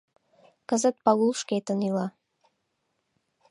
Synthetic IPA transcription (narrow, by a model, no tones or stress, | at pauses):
kəzət̪̚pɑlulˠʃket̪ə̆nylɑ